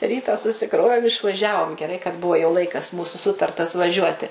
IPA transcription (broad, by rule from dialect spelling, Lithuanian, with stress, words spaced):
ˈrʲiːtɑː sʊsʲɪˈkroːʋʲeːm ɪʃʋɐˈʒʲæːʋoːm ɡʲɛˈrɐɪ kɐt ˈbʊʋoː jɛʊ ˈlˠɐɪkɐs ˈmuːsʊ ˈsʊtɐrtɐs ʋɐˈʒʲuɔtʲɪ